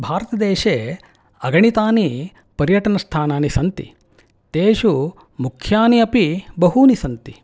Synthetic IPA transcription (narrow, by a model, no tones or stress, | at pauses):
bʱaːɾɐt̪ɐd̪eːʃeː | ɐɡɐɳit̪aːni | pɐɾjɐʈɐnɐst̪ʰaːnaːnisɐnt̪ḭ | t̪eːʃu | mukʰjaːniɐpibɐɦuːnisɐnt̪i